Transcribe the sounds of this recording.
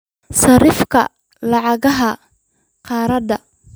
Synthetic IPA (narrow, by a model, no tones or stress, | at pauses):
sɐɾɪfkʰɐ̰ | lɑʕɑɣɐɦɐ | qɑːɾɐd̪ɐ